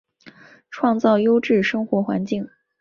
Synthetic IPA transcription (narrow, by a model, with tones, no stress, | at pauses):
ʈ͡ʂʰwɑ˥˧ŋt͡sɑ˥˩ʊjo˥ʊʈ͡ʂɻ̩˥˩ʂɤ˥ŋxwɔ˧˥xwa̰˧˥nt͡ɕi˥˩ŋ